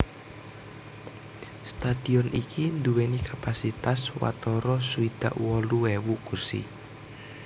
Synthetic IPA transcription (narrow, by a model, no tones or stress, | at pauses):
st̪ad̥iɔnʔikʰind̪uwenikʰapasit̪aswa̰t̪ɔɾɔsuid̪̥a̰ʔwɔluwewukursḭ